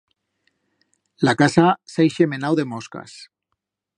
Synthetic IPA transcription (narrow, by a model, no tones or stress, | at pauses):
lakasasajʃemenawðemoska̰s